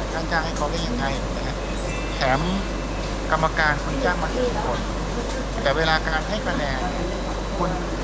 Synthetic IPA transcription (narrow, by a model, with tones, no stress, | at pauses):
kʰaː˧˩nt͡ɕaː˥˩ŋha˥˩jkʰa˧˩wla˧˥˩he˧˩a˧jna˧ka˧˥ | t̪ʰɛː˩˦m | ka˧mːa˧kaː˧nkʰu˧njaː˥˩ŋ̚maː˧˥˩hʰa˧˥˩e˧˩kʰo˧n | t̪ɛː˨˩weː˧laː˧kaː˧nha˥˩jka˧nɛː˨˩ŋ | kʰu˧n